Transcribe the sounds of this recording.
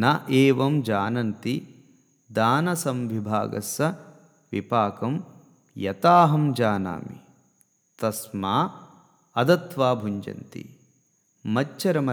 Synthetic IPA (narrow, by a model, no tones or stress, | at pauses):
nɐʔeːʋɐmd͡ʒaːnɐnt̪i | d̪aːnɐsɐmʋibʱa̰ːɡɐ̰sɐ | ʋḭpaːkɐm | jɐt̪aːɦɐmd͡ʒaːna̰ːmḭ | t̪ɐsmaː | ɐd̪ɐt̪ʋaːbʱuɲd͡ʒɐ̰nt̪ḭ | mɐt͡ʃːɐɾɐmɐ